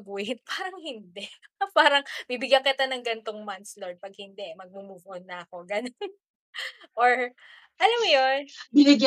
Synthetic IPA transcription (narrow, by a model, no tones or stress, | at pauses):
buʔɪt̪̚paːɾɐŋhɪnd̪ɛpaːɾɐŋbibɪɡjɐkɪt̪anɐŋɡɐnt̪oŋmɐnt̪sloɹd̪̚pɐɡ̚hɪnd̪ɛmɐɡ̚mʊmuːvonːɐɐko̞ɡɐnon | ʔoɹ | ʔɐlɐmjonbɪnɪɡ